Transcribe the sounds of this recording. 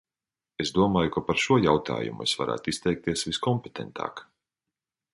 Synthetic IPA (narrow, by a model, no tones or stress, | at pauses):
esd̪uɔmaːjukapaɾʃuɔjawt̪ʰa̰ːjṵmṵesvaɾʔæ̰ːt̪ʊist̪ɛjk̚t̪iɛsviskɔmpet̪ʰɛnt̪ʰa̰ːk